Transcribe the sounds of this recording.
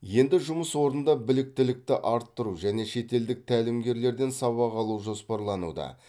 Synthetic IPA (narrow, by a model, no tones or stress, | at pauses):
je̞nd̪ɪʒʊməswo̞ɾənd̪ɑbɪlɪk̚t̪ɪlɪk̚t̪ɪʔɑɾt̪ːəɾuʒæne̞ʃe̞t̪e̞ld̪ɪk̚t̪ʰælɪmɡʲe̞ɾle̞ɾd̪e̞nsɑβɑʁɑlˠuwʒo̞spɑɾlˠɑnṵd̪ɑ̰